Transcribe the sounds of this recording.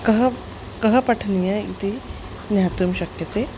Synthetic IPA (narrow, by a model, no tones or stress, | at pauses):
kɐɦə | kəɦəpɐʈʰnijaḭt̪ʰi | njat̪uːmɕɐkjɐt̪e